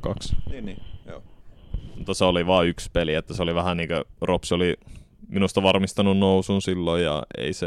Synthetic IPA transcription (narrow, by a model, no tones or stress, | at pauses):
kɑksniːniːjo̰ː | mut̪ːɑseoliʋɑːykspeliet̪ːæsoliʋæhæniːŋkøropsioliminust̪ɑʋɑrmist̪ɑnunnousunsilːojjɑ̰ḛise